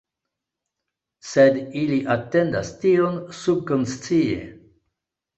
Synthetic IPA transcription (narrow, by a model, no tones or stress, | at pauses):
sediliʔate̞nda̰stionsub̚konst͡siḛ